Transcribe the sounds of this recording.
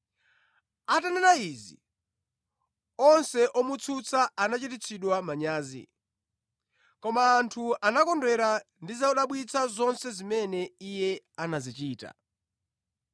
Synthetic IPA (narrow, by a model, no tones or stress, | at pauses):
atanɛɾaizḭ | ɔnsɛʔɔmut͡sʰut͡sʰaʔanat͡ʃitit͡sʰiɗwamaɲaːzḭ | kɔmaːntʰuanakɔndwɛɾa | ndizaɔɗaɓwit͡sʰazɔnsɛzimɛnɛijɛ | anazit͡ʃiːta̰